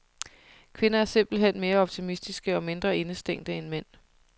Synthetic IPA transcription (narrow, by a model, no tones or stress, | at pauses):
kʰʋe̝nɐæɐse̝m̰b̥l̩ɦen̰me̝ːɐɒ̽b̥̚t͡sʰimisd̥isɡ̥əɒ̽me̝nd̥ʁɐe̝nəsd̥eŋ̰d̥əenmen̰